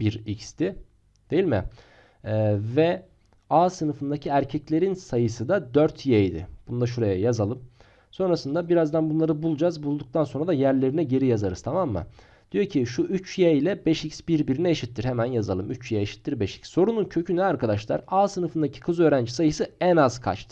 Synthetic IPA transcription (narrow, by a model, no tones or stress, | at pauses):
biɾicst̪ʰɪ | d̪̥e̞jilʲmɪ̰ | vɛ | aːsɯnɯfɯnd̪acʰiæɾcʰɛclʲe̞ɾinsajɯsɯd̪ad̪øɾt̪ʰjɛjd̪ɪ̰b̥und̪aʃ̬uɾajajazalˠɯm | so̞nɾasɯnd̪abiɾazd̪anbunlˠaɾɯbulˠd͡ʒazbulˠd̪uk̚t̪ʰanso̞nɾad̪ajæɾlʲe̞ɾinɛɟe̞ɾijazaɾɯzt̪ʰamamːa̰ | d̪̥ijo̞cʰiʃuʔyt͡ʃjɛilʲɛbɛʃicsbiɾbiɾinɛeʃit̪ʰːiɾhemænjazalˠɯmyt͡ʃjɛeʃi̥t̪ʰːiɾbɛʃi̥csːo̞ɾununcʰø̞cʰynɛaɾkʰad̪aʃlˠa̰ɾaːsɯnɯfɯnd̪acʰi̥kʰɯzøːɾænd͡ʒisajɯsɯɛnaz̥kʰa̰t͡ʃt̪ʰɯ̥